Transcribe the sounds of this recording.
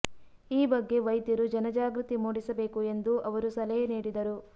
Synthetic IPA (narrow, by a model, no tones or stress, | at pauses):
iːbɐɡːe̞ʋɐjd̪jɐɾud͡ʒɐnɐd͡ʒaːɡɾut̪imuːɽisɐbe̞ːkue̞nd̪uʔɐʋɐɾusɐlɐjɐniːɽid̪ɐɾu